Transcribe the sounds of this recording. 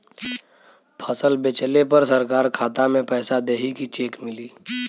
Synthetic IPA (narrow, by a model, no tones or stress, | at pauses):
pʰəsəlbet͡ʃəlepəɾsɐɾkaːɾkʰaːt̪amẽpɛːsad̪eːɦikit͡ʃeːkmɪliː